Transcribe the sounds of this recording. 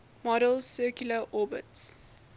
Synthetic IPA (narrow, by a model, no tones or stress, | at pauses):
mɔɾəlˠsɜkjuləʔɔːbəts